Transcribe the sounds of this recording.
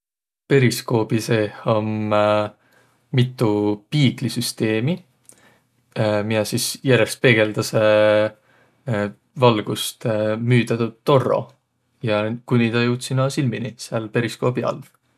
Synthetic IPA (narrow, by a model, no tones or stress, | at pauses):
pe̞ɾisko̞ːbisehom | mit̪ːˑupiːklisyst̪e̞ːmi | minɑsisjærjest̪̚pe̞ɡ̥e̞ld̪̥ɑse | vɑlɡ̥ust̪myːd̪ɑt̪ut̪ːo̞ro̰ | jɑkunʲid̪ɑjuwt̪sinɑsilminiseɑlpe̞ɾisko̞ːb̥iɑ̰lv